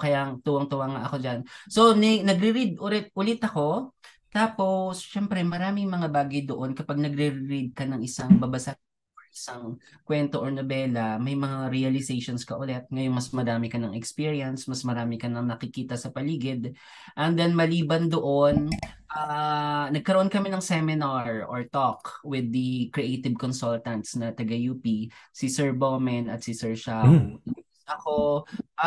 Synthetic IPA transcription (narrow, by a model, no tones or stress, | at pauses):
kɐjaʔɐŋt̪uwɐŋt̪ʊwaŋaʔɐko̞d͡ʒanso̞nɛnɐɡɾɪɾid̪̚ʔʊlɛt̪̚ʔʊlɪt̪ɐko̞ | t̪aːpo̞sʃɛmpɾɛmɐɾaːmɪŋmɐŋabaːɡɐjd̪oʔo̞nkɐpaɡ̚nɐɡɾɪɾɪɾid̪̚kɐnɐŋʔɪsaŋbɐbɐsaʔ | ʔɪsaŋkwɛnt̪o̞ʔoɹnɐbɛːlɐmɐjmɐŋaɾiɐlɪsejʃonskɐʔʊlɛt̪̚ŋɐjonmɐsmɐdaːmɪkɐnɐŋʔɛkspiɹiɐnsmɐsmɐɾaːmɪkɐnɐŋnɐkɪkiːt̪ɐsɐpɐliːɡɪd̪̚ | ʔɐnd̪ɛnmɐliːbɐnd̪oʔonʔanɐɡ̚kɐɾoʔonkɐmɪnɐŋsɛmɪnaɹʔoɹt̪okwɪd̪ːɐkɾiʔet̪ɪb̚konsult̪ɐnt̪snɐt̪ɐɡɐjuːpisisɛɹbomɛnɐt̪sɪsɛɹʃaw̪ɐ | ɐkoʔ